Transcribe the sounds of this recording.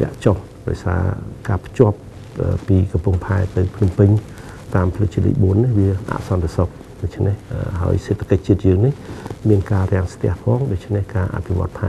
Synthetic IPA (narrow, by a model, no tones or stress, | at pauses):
ɛ̰̆ə̰ʔt͡ɕoh | ɗa̰ɔjsa̰ːkaːpʰt͡ɕŏəp̚ | ʔəːpiːkɑmpuəŋpʰaɛt̪ɨwpʰnumpɨɲ | t̪aːmpʰlɨt͡ɕilḭːjɓuənːihʋiəʔa̰ʔsɑnt̪esok̚ | ɗoc̚t͡ɕʰnehəɦa̰əjseːt̪ʰːḁkəc̚t͡ɕiət̪̚jəːŋnihmiənkaːɾɛ̆əŋst̪ɛ̆əhpʰɑːŋɗoc̚t͡ɕʰnehkaːʔa̰pʰiʋŏət̪ʰːaː